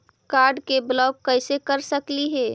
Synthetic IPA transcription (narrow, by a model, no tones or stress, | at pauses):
kaɾɖkeblɔːɡːəɪsekəɾsəkliɦɛː